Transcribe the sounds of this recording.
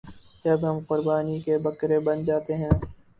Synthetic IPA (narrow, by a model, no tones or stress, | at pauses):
d͡ʒɐbɦɐmqʊɾbaːnikebɐkɾebɐnd͡ʒaːt̪eɦɛ̃ː